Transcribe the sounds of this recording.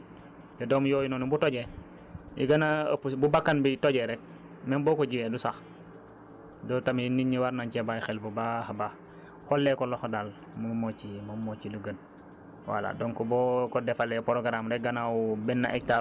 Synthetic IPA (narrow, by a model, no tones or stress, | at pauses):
jɔdɔmjɔjunɔnubutɔɟɛ | ḭɡɐnaə̰pːububakːanbitɔɟɛɾɛk̚ | mɛmbɔːkɔɟiwɛdusax | dɔtaminiɲːiwaɾnaɲcɛbajxɛlbubahaba | hɔlːɛkɔlɔxdal | mmocimomociluɡən | wa̰la̰dɔŋkɔbɔkɔdɛfalɛpoɾoɡɾamɾɛk̚ɡanawubɛnːa̰ʔɛk̚ta